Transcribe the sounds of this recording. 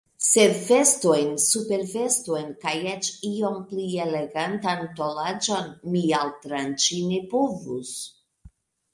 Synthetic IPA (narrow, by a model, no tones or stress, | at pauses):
se̞ve̞sto̞jnsupe̞ɾve̞sto̞jnkajet͡ʃio̞mpliele̞ɡantanto̞lad͡ʒo̞nmialtɾant͡ʃine̞povṵs